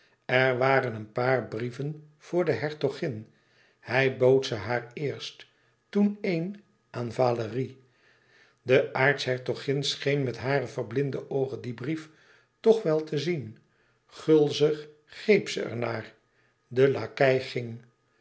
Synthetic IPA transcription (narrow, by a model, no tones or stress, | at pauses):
ɛɹʋaːɾənənpaːɹbrivən | v̥ʊːɹdəɦɛɹtɔχɪn | hɛjbowtsəɦaːɹɪːɹst | tunejn | ʔaːnvaːləri | dəʔaːɹtshɛɹtoχɪnsχejnmɛtɦaːɾəvəɹblɪndəʔowχəndibrif | tɔχʋɛlˠtʰəzin | χɵlˠzəχ | χejpsəɛ̰ɹnaːɹ | dəlaːkɛjχɪŋ